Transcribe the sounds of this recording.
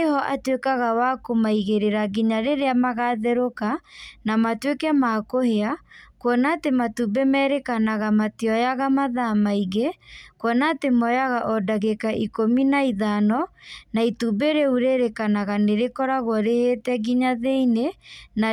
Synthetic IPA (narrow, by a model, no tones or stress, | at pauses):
ehɔʔatwekaɣawakomaiɣeɾeɾaɣiɲaɾeɾeamaɣaðɛɾokanamatwekɛmakoheakwɔnatematubɛmɛːɾekanaɣamatiɔjaɣamaðamaiɣekwɔnatemɔjaɣaʔɔdaɣekaʔikominaiðanɔnaitubeɾeuɾeɾekanaɣaneɾekɔɾaɣwɔɾehetɛɣiɲaðeinena